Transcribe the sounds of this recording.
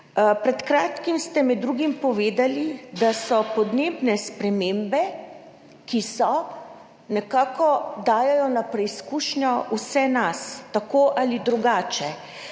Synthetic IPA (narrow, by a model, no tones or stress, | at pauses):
pɾɛt̪kɾaːt̪kimst̪ɛmɛd̪ːɾuːɡimpɔʋeːd̪alid̪asɔpɔd̪neːbnɛspɾɛmembɛ | kisɔ | nɛkaːkɔd̪aːjɛjɔnapɾɛiskuːʃnjɔusɛnast̪akoːʔalid̪ɾuɡaːt͡ʃɛ